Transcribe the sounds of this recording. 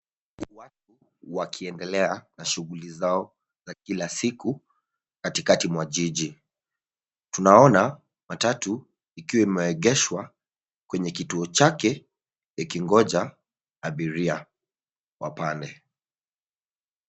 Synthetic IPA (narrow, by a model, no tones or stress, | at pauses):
wat̚u | wakʰiɛndɛlɛanaʃuɣulizaɔ | zakilasiku | katikatimwaʄiʄi | tunaɔna | matatu | ikiwaimɛwɛɠɛʃwa | kwɛɲɛkituɔt͡ʃakɛ | jɛkiŋɡɔʄa | aɓiɾia | wa̰pandɛ